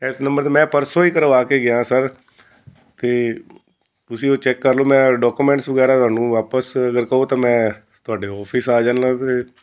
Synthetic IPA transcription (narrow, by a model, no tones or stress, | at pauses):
ɛːsnəmbəɾt̪eːmɛ̃ːpəɾsõːiːkəɾʋaːkeːɡɪjãːsəɾ | t̪eː | t̪ʊsĩːoːt͡ʃɛːkːəɾloːmɛ̃ːɖɔːkuːmɛ̃ːɳʈsʋəɡɛːɾaːt̪ʊaːnũːʋaːpəsəɡəɾkəoːt̪ãːmɛ̃ː | t̪ʊaːɖeːɔːpʰiːsaːd͡ʒaːnlãːt̪eː